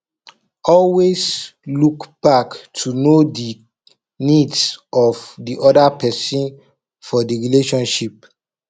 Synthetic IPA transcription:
ɔlweslukb̥aktʰunodi | nidsɔvdiʔɔdapʰɛsĩn | fɔdiɹileʃɔ̃nʃip̚

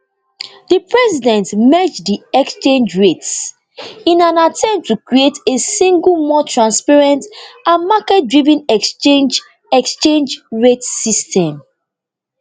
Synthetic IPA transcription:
dipɹɛsidɛ̃ntmɛd͡ʒdiɛkst͡ʃẽnd͡ʒɹets | ĩnãnatʰɛ̃mp̚tʰːukɹietesĩŋɡlmɔtɹãnspaɹɛ̃ntʔãnmakɛt̚dɹivĩnɛsend͡ʒ | ɛkst͡ʃẽnd͡ʒɹetsistʰɛ̃m

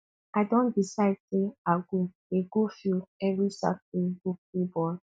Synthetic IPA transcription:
adɔ̃ndisaɪd̚seaɡu | eɡofilɛvisa̰kĩbuk̚ibɔl

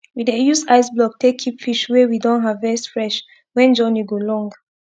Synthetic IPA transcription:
widejusaɪsblɔk̚tʰekʰːipfiʃwewidɔ̃nɦavɛsfɹɛʃ | wɛ̃nd͡ʒɔniɡolɔ̃ŋɡ

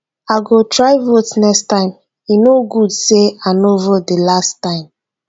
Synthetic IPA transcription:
aɡotɹaɪvotnɛkstãɪ̃m | inoɡudseanovodelastãɪ̃m

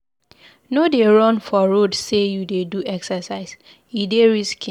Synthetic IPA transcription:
nodeɹɔ̃nfɔɹodsejudeduʔɛksəsaɪs | ideɹiskĩ

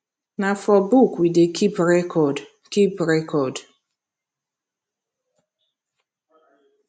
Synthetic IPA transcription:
nafɔbukwidekʰipɹɛkʰɔd | kipɹɛkɔd

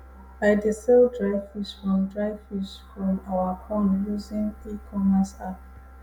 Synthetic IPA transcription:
aɪdisɛldɹaɪvisfɹɔ̃mdɹaɪvisfɹɔ̃mawəhõmluzĩŋikʰɔməsap̚

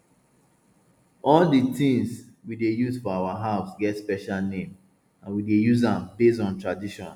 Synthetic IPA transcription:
ɔlditĩŋs | widejuzfɔawaɦaʊsɡɛtspɛʃalnẽm | ãnwidejuzãmbes̬tɔ̃ntɹadiʃɔ̰̃n

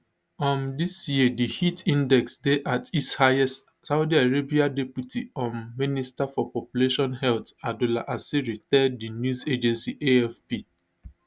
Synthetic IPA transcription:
ɔ̃ndisjidihitĩndɛksdeʔatishaɛs | saʊdiaɹebiadɛpjutiɔ̃nministafɔpɔpjuleʃɔ̃nhɛltadulaʔasiɹitɛddinjuzed͡ʒɛ̃nsiʔeɛfpi

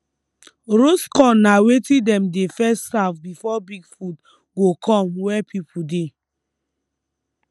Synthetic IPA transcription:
ɾoskɔ̃nːawetĩdɛ̃mdefɛstafbifɔbiɡfud | ɡokʰɔ̃mwɛpʰipude

